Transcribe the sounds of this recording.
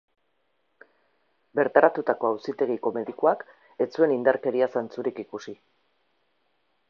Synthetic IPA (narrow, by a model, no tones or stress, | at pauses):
be̞ɾt̪aɾat̪ut̪ako̞awsit̪e̞ɣiko̞me̞ðikuak | e̞t͡sue̞nind̪aɾke̞ɾiasant͡suɾikikusi